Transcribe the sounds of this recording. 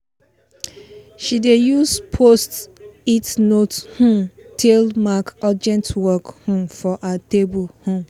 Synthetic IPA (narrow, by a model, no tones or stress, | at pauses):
ʃidejuspʰostitnothũmtʰelmakad͡ʒɛ̃ntwɔkhũmfɔʔatebulhõm